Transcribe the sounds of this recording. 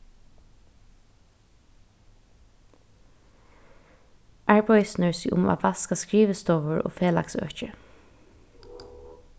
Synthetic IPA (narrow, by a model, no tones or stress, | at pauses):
ʔæɹpɔʏsnəɹsɪʔʊ̰ma̰ːʋɑskaskɹiːʋəst̪ɔːʋəɹʔo̰ːfeːla̰ksœ̰ːt͡ʃə